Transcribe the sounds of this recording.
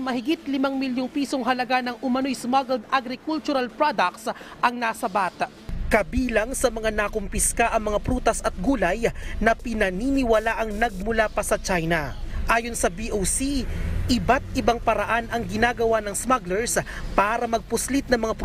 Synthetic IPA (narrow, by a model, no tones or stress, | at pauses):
mɐɦɪɡɪt̪̚lɪmaŋmɪljoŋpiːso̞ŋɦɐlɐɡanɐŋʔʊmɐnojsmaɡɛld̪̚ʔaɡɾɪkult͡ʃʊɾɐlpɾod̪ɐk̚ts | ʔɐŋnasɐbat̪aʔkɐbiːlɐŋsɐmɐŋanɐkompɪskaʔɐŋmɐŋapɾuːt̪ɐsɐt̪̚ɡuːlɐjnɐpɪnɐniːnɪwɐlaʔɐŋnɐɡ̚mʊlapɐsɐt͡ʃajnɐʔaːjonsɐbiʔowsiʔɪbat̪̚ʔɪbaŋpɐɾɐʔanɐŋɡɪnaːɡɐwanɐŋsmaɡlɛɹs | paːɾɐmɐɡ̚pʊslit̪̚nɐŋmɐŋap